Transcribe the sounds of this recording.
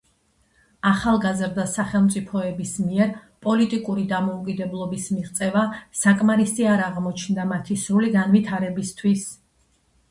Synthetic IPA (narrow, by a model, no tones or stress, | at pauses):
aχalˠɡazɾd̪asaχɛlˠmt̪sʼipʰɔɛbismiɛɾpʼɔlit̪ʼikʼuɾid̪amɔukʼid̪ɛblˠɔbismiʁt̪sʼɛvasakʼmaɾisʼiaɾaʁmɔt͡ʃʰnd̪amat̪ʰisɾuliɡanvit̪ʰaɾɛbist̪ʰwis